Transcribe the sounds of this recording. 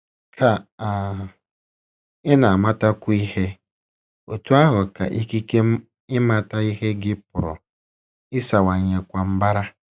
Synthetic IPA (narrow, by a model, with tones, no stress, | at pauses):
kʰa˨a˨ | ɪ˦na˨a˨ma˦ta˦kʷʊ˦i˦he˦ | o̰˨tu˦a˦ɦʊ˨ka̰˨ʔi˦ki˦ke˦ | ɪ˦ma˦ta˦i˦ɦe˦ɡɪ˦pʊ˨ɾʊ̰˨ | ɪ˦sa˨wa˨ɲe˨kʷa˨m̩˦ba˦ɾa˦